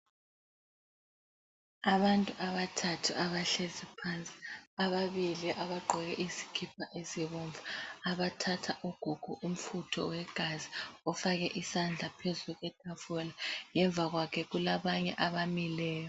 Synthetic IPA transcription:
aβantʼuʔaβatʰatʰuʔaβaɬezipʰant͡sʼi̥aβaβiliʔaβaɡ͡ǃʱɔɣɛʔizi̥kʰipʰaʔeziβɔɱvaaβatʰatʰaʔuɡ̥ʱuɡ̥ʱuʔum̩futʰɔ̰wɛɡ̥ʱaziɔfaɣɛʔisand͡ɮʱapʰezuɣwɛd̥ʰʱʼafɔlaŋɛɱvʱaɣwakʰɛɣulaβaɲɛʔaβamilɛːjɔ

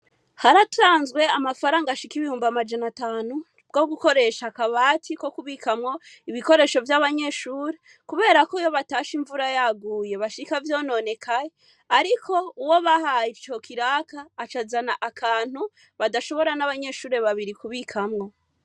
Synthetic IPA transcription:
haɾatuɾaːnzɡwe̞amafaɾaːŋɡaʃikiβihuːmbamad͡ʒanataːnu | bɡo̞ɡuko̞ɾe̞ʃakaβaːtʰiko̞kuβikamŋo̞iβiko̞ɾe̞ːʃo̞vjaβaɲe̞ːʃuːɾe̞ | kuβe̞ːɾakoijo̞βataːʃiɱvuɾajaɡuːje̞βaʃikavjo̞ːno̞ne̞kʰaje | aɾiko̞uwo̞βahajiɾt͡ʃo̞kʰiɾaːkaːt͡ʃazanaʔakʰaːn̥hu | βadaʃo̞βo̞ɾanaβaɲe̞ːʃuːɾe̞βaβiɾikuβikʰamŋo̞

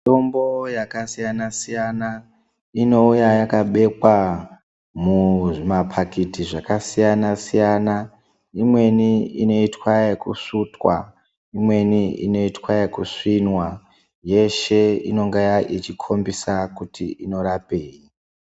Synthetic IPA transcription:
to̞mbo̞jakasijanasijana | ino̞ujajakaɓe̞kwa | muʐimapʰakitiʐakasijanasijana | imwe̞niḭno̞itwajekṵʂutwa̰ | imwe̞niḭno̞itwaekuʂinwa | je̞ʃe̞ḭno̞ŋɡejaʔit͡ʃikʰo̞mbisakutiʔino̞ɾapeːji

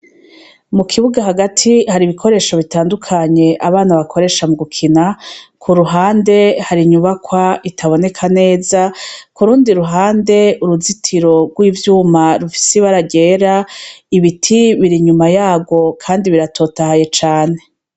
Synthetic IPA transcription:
mukʰiβuɡaɦaɡatʰihaɾiβikʰo̞ɾe̞ːʃo̞βitaːndukʰaɲe̞ʔaβaːnaβakʰo̞ɾe̞ʃamuɡukʰinakʰuɾuɦaːnde̞haɾiɲuβakwaʔitʰaβo̞ne̞kʰane̞ːzakuɾuːndiɾuɦaːnde̞uɾuzitʰiɾo̞ɡwiːvjuːmaɾufi̥seβaɾaɟe̞ːɾaiβitʰiβiɾiɲumajaːbɡwo̞kʰaːndiβiɾatʰo̞ːtahaje̞t͡ʃaːne̞

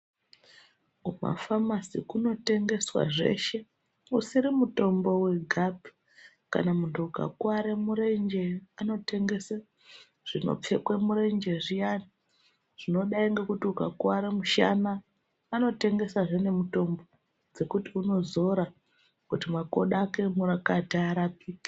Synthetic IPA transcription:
uma̰famasikuno̞te̞ŋɡe̞swa̰ʐe̞̰ʃe̞ | usiɾimuto̞mbo̞we̞ɡʱabʱi̥ | ka̰namuntʰuuka̰kwaɾemuɾe̞nd͡ʒe̞ano̞te̞ŋɡe̞sa | ʐ̥ino̞̰p͡fe̞kwemuɾe̞nd͡ʒe̞ʐijana | ʐ̥ino̞ɗaiŋɡekutiukakwaɾemuʃa̰naː | no̞te̞ŋɡe̞saʐene̞muto̞mbo̞ | d͡ze̞kutiuno̞zo̞ɾa | kutimako̞̰ɗake̞muɾakataːɾapiːkḁ

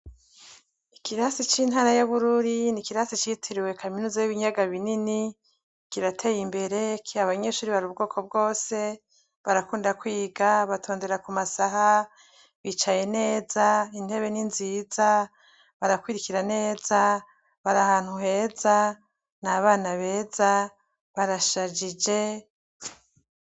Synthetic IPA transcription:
ikiɾasit͡ʃiːn̥ɦaɾajaβuɾuɾinikiɾasit͡ʃitʰiɾiwe̞kʰaminuːzajiβiɲaɡaβinini | kiɾatʰe̞jimbe̞ɾe̞kʰiaβaɲe̞ʃuːɾiβaɾub̚ɡo̞ːkʰo̞b̚ɡo̞ːse̞ | βaɾakuːndakwiːɡaβatʰo̞ːnde̞ɾakumasaɦa | βit͡ʃaje̞ne̞ːzain̥he̞βe̞ninziːza | βaɾakwiɾikiɾane̞ːza | βaɾahaːn̥huɦe̞ːza | naβaːnaβe̞ːza | βaɾaʃad͡ʒid͡ʒe̞

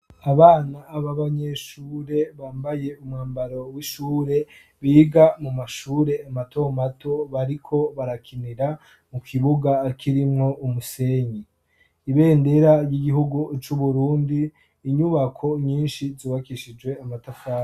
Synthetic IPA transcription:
aβaːnaːβaβaɲe̞ʃuːɾe̞βaːmbaje̞umŋaːmbaɾo̞wiʃuːɾe̞ | βiːɡamumaʃuːɾe̞amatʰo̞mato̞βaɾikʰo̞βaɾakʰiniɾa | mukʰiβuɡakʰiɾimŋo̞ʔumuse̞ːɲi | iβe̞ːnde̞ɾajiɡiɦuɡut͡ʃuβuɾuːndiː | ɲuβakʰo̞ɲiːnʃiziːβakiʃid͡ʒwe̞amatafaː

